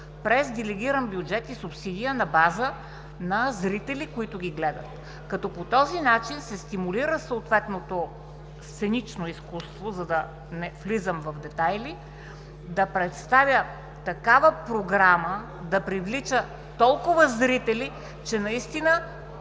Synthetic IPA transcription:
pɾɛzd̪ɛlɛɡʲiɾənbjʊd͡ʒɛt̪isʊpsid̪ʲijənɐbazə | nɐzɾit̪ɛlikoit̪ʊɡʲiɡlɛd̪ət̪ | kɐt̪ɔpot̪ɔzinat͡ʃinsɛst̪imuliɾəsoot̪vɛt̪not̪o | st̪sɛnit͡ʃnoiskust̪vozɐd̪ɐ | nɛflizəmvɐvd̪ɛt̪ajli | d̪ɐpɾɛt̪st̪avʲjə | t̪ɐkavəpɾoɡɾamə | d̪ɐpɾivlit͡ʃə | t̪ɔlˠkʊvəzɾit̪ɛli | t͡ʃɛnɐist̪inə

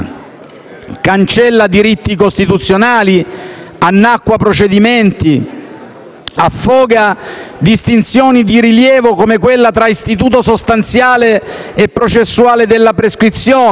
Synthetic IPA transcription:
kant͡ʃɛlːad̪iɾit̪ːikost̪it̪ut̪sːjonaːlianːakːwapɾot͡ʃed̪iment̪i | afːɔːɡad̪ist̪int̪sjɔːnid̪iɾiljɛːvokomekwelːat̪ɾaist̪it̪uːt̪osost̪ant̪sjaːleepːɾot͡ʃesːuaːled̪elːapɾeskɾit̪sːjɔː

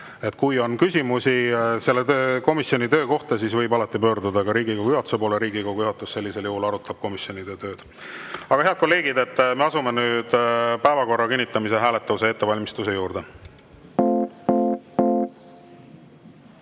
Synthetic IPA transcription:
e̞t̪ːˑkujo̞nkysʲimusʲise̞lːe̞t̪øko̞misjo̞nʲit̪ø̞ːko̞ht̪ɑsisvɤjbɑlɑt̪ːˑipø̞ːɾd̪ud̪ɑɡ̥ɑɾiːɡikoɡuyuhɑt̪u̥sepo̞ːleɾiːɡiko̞ɡujuhɑt̪ːˑusse̞lːise̞ljuhulɑɾut̪ːˑɑb̥̚ko̞misjo̞nʲid̪̥e̞t̪ø̞ːd̪̥ | ɑɡɑhe̞ɑd̪̚kolːe̞ːɡ̥id̪e̞t̪ːme̞ɑsume̞nyːd̪̥pæevɑko̞rːɑkinʲːit̪ːˑɑmise̞ɦæːle̞t̪ːˑɑuse̞et̪ːe̞vɑlʲmist̪use̞juːɾd̪e̞

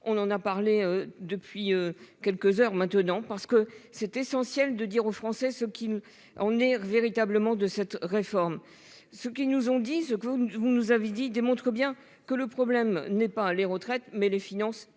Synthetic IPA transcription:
ɔ̃nɑ̃napaʁleød̪əpɥiøkʲɛlkəzœʁmɛ̃t̪ənɑ̃paʁsə̥kəsɛt̪esɑ̃sjɛld̪əd̪iʁofχɑ̃sɛsəkʲil | ɑ̃nɛveʁit̪abləmɑ̃d̪əsɛt̪ʁefɔʁm | səkʲinuzɔ̃d̪isəkəvunuzaved̪id̪emɔ̃t̪χəbjɛ̃ | kələpχɔblɛmnɛpaleʁət̪χɛt̪mɛlefinɑ̃s

